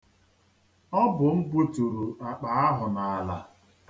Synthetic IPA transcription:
ɔ˦bʊ˨m̩˦bu˦tu˨ɾu˨a˨k͡pa˨˦a˦ɦʊ˨na˨a˨la̰˨

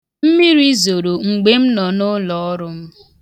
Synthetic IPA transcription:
m̩˦mi˦ɾi˦zo˨ɾo˨ŋ͡m̩˨ɡ͡be˦m̩˦nɔ˨nʊ˦lɔ˦ɔ˦ɾʊ˦m̩˦

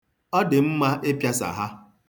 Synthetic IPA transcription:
ɔ˦dɪ˨m̩˦ma˦ʔe˦pja˦sa̰˨ɦa˦

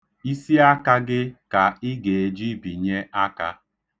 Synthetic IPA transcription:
i˦si˦a˦ka˦ɡɪ˦ka˨ɪ˦ɡe˨e˨d͡ʒi˦bi˨ɲe˦a˦ka˦

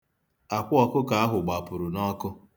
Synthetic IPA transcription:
a˨kʷʊ˦ɔ˨kʊ˦ka˨a˦ɦʊ˨ɡ͡ba˨pʊ˨ɾʊ˨nɔ˦kʊ˦

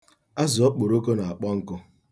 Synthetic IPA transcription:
a˦zʊ˨ɔ˦k͡po˨ɾo˦ko˦na˨a˨k͡pɔ˦ŋ̩˦kʊ˦

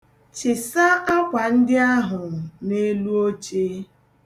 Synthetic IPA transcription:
t͡ʃɪ˨sa˦ʔa˦kʷa˨n̩˦dɪ˦a˦ɦʊ˨ne˦lu˦o˦t͡ʃe˦

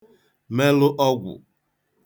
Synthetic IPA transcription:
me˦lʊ˦ʔɔ˦ɡʷʊ̰˨

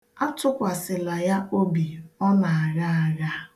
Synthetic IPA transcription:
a˦tʊ˦kʷa˨sɪ˨la˨ja˦o˦bi˨ɔ˦na˨a˨ɣa˦a˨ɣa˦

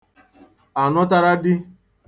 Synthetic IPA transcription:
a˨nɔ˦ta˦ɾa˦dɪ˦

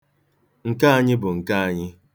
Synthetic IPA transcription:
ŋ̩˨ka˦a˦ɲɪ˦bʊ˨ŋ̩˨ka˦a˨ɲɪ˦

